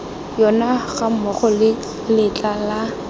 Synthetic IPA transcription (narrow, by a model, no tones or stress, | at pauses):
jɔnaɣamɔχɔlɪ | lɪt͡ɬʼala